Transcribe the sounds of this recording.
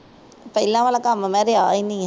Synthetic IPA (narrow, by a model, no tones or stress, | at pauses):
pəlãːʋaːlãːkəmmɛ̃ːɾeaːinĩː